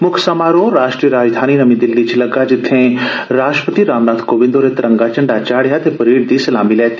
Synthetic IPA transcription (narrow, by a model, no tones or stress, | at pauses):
mʊkʰsamaːɾõɾaːʃʈɾijəɾaːd͡ʒd̪ʱaːninɐmĩd̪ɪlːit͡ʃʰilɐɡad͡ʒɪt̪ʰːẽɾaːʃʈɾpət̪iɾaːmnaːt̪koːʋɪ̃nd̪oːɾet̪ɾɐ̃ŋɡat͡ʃɐɳɖat͡ʃaːɽjat̪epɐɾiːɽd̪isɐlaːmilɛːt̪